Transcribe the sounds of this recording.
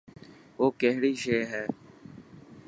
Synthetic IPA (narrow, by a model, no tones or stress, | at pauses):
oːkeɦɽiːʃeːɦɛː